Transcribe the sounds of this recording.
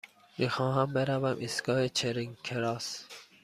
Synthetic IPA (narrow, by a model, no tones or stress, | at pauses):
mixɑːɦambeɾavæmʔisɡɑːet͡ʃʰeɾiŋkʰeɾɑːs